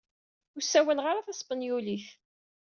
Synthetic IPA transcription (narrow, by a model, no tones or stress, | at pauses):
ʊɾsːæwælʁaɾaθæsˤbənjuliθ